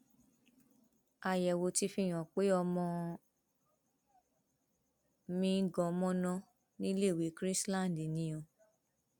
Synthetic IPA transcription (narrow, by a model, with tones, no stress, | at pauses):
a˧˨jɛ˨wo˧ti˧˦fĩ˦˨j̃ɔ̃˨k͡pe˨˦ɔ˧mɔ̃˧ | mĩ˦ɡɔ̃˨˦mɔ̃˦nɔ̃˧ | nĩ˦le˦˨wi˨˦kɾi˦slã˦˨n˨di˨nĩ˨˧˦ɔ̃˨